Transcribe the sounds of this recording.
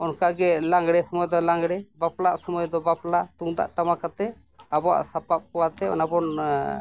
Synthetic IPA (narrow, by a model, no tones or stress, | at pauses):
ɔnkaɡɛlaŋɡɽɛsɔmɔjd̪ɔlaŋɡɽɛbaplaʔsɔmɔjd̪ɔbaplaʔt̪uŋd̪a̰ʔʈamakat̪ɛ | abɔa̰ʔsapap̚kɔwat̪ɛɔ̰nabɔn